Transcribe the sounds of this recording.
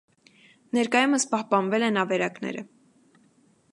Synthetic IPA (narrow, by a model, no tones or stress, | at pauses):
nɛɾkɑjuməspɑhpɑnvɛlɛnɑvɛɾɑknɛ̰ɾə